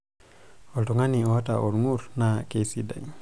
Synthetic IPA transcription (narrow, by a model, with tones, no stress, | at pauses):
o˨ltuŋa˦ni˨o˨wa˦ta̰˨ʔo̰˨ɾŋuɾnake˨sida˨j